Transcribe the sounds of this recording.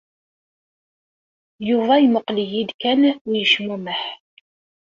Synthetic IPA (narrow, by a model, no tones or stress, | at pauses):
juvæjməqləjid̪kænʊjəʃmæməħ